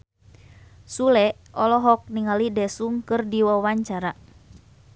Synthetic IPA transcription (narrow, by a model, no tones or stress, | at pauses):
sulɛ | ɔlɔɦɔk̚niŋalidɛsuŋkɨrdiwawaɲt͡ʃaɾa